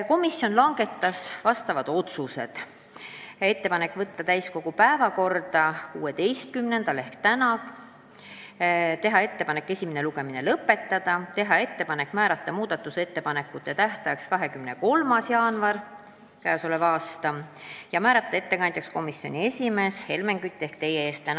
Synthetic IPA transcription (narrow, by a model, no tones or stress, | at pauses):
ko̞misːjo̞nlɑŋɡ̥e̞t̪ːɑsvɑst̪ɑvɑd̪̥o̞t̪suse̞̰d̪̥ | e̞t̪ːe̞pɑne̞kːˑvɤt̪ːɑt̪æjsko̞ɡ̥upæevɑko̞rd̪̥ɑkuːet̪e̞jst̪̚kymne̞nd̪̥ɑle̞hkt̪ænɑ | t̪e̞ɦɑe̞t̪ːe̞pɑne̞kːe̞sʲimene̞luɡ̥e̞minelɤpːe̞t̪ˑːɑd̪̥ɑt̪e̞ɦɑe̞t̪ːe̞pɑne̞kːˑmæːɾɑt̪ˑːɑmuːd̪̥ɑt̪ːˑuse̞t̪ːe̞pɑne̞kːˑut̪ːˑe̞t̪æht̪ɑjɑkskɑɦekymne̞ko̞lmɑsjɑːnvɑr | kæːsolevɑːst̪ɑjɑmæːɾɑt̪ˑːɑe̞t̪ːe̞kɑnʲd̪ʲjeksko̞misːjo̞nʲie̞sʲime̞ːshe̞lme̞ŋɡ̥yt̪ːˑe̞hkt̪e̞jːeeːst̪ːæn